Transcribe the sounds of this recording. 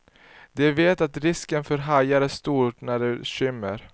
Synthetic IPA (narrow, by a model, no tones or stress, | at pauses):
d̪ɛveːt̪at̪ɾɪskənfœɾɦajaɾæʂt̪uːʈnæɖɛɕʏmːə̰ɾ